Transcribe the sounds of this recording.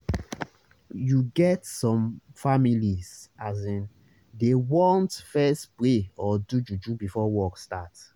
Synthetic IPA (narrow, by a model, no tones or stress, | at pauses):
juɡɛtsɔ̃mfamilizazĩn | dewɔ̃ntfɛstpɾeɔdud͡ʒud͡ʒubifɔwɔkstat